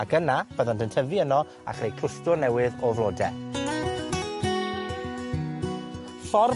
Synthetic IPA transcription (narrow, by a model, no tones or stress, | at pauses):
akənab̥əðɔndəntʰəviənɔ | a̰χrejkʰʊstʊrnɛwɪðɔvlˠoːdɛ | fɔr